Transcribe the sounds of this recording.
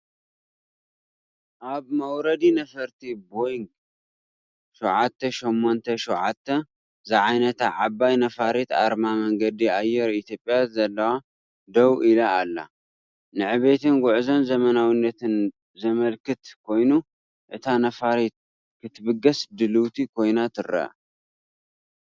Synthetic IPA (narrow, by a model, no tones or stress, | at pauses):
ʔaβmɐwɾɐd̪inɐfɐɾt̪ʰibojŋɡ | ʃuwʕat̪ʰːɐʃomːont̪ʰɐʃuwʕat̪ʰːɐ | zɨʕajnɐt̪ʰaʕabajnɐfaɾet̪a̰ɾmamɐŋɡɐd̪iajːɛɾit̪ʰjopʼːjazɐlːɐwa | d̪ɐwʔilɐːlːa̰ | nɨʕɨβe̞t̪ɨnɡʊʕzo̞nzɐmɐnawinːɐt̪ɨn | zɐmɐlkɨt̪kʰo̞jnu | ʔɨt̪ʰanɐfaɾet̪̚ | kʰɨt̪ʰːɨbɨɡɐsd̪ɨlɨwt̪ʰikʰo̞jnat̪ʰɨɾɐ̰ʔ